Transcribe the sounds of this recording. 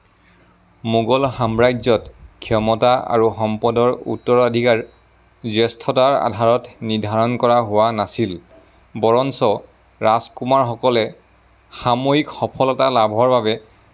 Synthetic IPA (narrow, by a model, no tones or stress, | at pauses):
moɡɔlxamɹajzɔtkʰiɔmɔtaa̰ɹuxɔmpɔdɔɹṵtːɔɹadʱikaɹ | zɛstʰɔtaɹa̰dʱaɹɔtnidʱaɹɔnkɔɹaɦʊwanasil | bɔɹɔnsɔ | ɹaskumaɹxɔkɔlɛ | xamojikxɔpʰɔlɔtalabʱɔɹbaβɛ